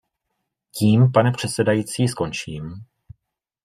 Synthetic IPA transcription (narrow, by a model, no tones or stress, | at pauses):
ciːmpanɛpr̝̥ɛt̪sɛdajit͡siːsko̞nt͡ʃiːm